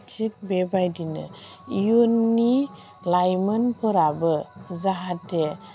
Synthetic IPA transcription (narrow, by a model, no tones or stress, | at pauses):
t͡ʃʰik̚bebajdinə̰ | jonːi | lajmənpəɾabəzaɦatʰe